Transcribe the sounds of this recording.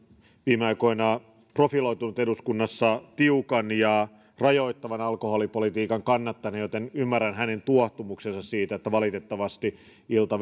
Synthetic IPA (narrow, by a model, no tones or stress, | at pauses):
ʋiːmeɑjko̞inɑ | profilo̞jt̪unut̪eduskunːɑsːɑt̪iukɑnjɑ | rɑjo̞it̪ːɑʋɑnɑlkoholipolit̪iːkɑŋkɑnːɑt̪ːɑjnejot̪enymːærːænɦæne̞nt̪uɑht̪umuksensɑssiːt̪æet̪ːæʋɑlit̪e̞t̪ːɑʋɑst̪i | ilt̪ɑ